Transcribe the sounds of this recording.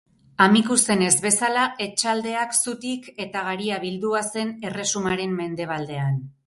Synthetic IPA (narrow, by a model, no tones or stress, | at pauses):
amikuse̞ne̞zβe̞salae̞t͡ʃald̪e̞aksut̪ike̞t̪aɣaɾiaβild̪uase̞ne̞re̞sumaɾe̞mme̞nd̪e̞β̞ald̪e̞an